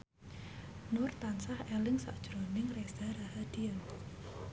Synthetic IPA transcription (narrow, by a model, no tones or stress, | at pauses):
nʊrt̪ansahɛlɪŋsa̰ʔd̥ʒ̥ɾɔnɪŋresaɾaɦad̪̥ian